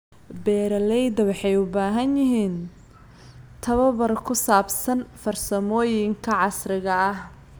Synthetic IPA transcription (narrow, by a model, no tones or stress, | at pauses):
bɛːɾɐlɛjd̪ɐwɑħɑjʊbaːɦɐnjɪɦiːn | t̪ʰɐβɐβɐrkʰʊsaːbsɐnfɐrsɐmɔːjɪŋkʰɐʕɑsrɪɣɐɐh